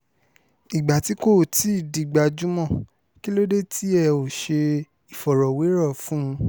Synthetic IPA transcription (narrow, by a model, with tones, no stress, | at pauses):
i˨ɡ͡ba˨ti˨˦ko˦˨ti˨˦˨di˨ɡ͡ba˨d͡ʒu˦mɔ̃˦˨ | ki˦lo˦de˦˨tʰi˨˦ɛ˦˨o˨ʃe˧ | i˨fɔ˨ɾɔ˨we˨˦ɾɔ˦˨fũ˦˧